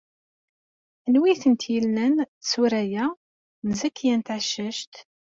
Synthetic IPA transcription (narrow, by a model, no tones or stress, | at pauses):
ənwiθənt̪jəlnənθsuɾæjæ | nzækːjænt̪ʕəʃːəʃt̪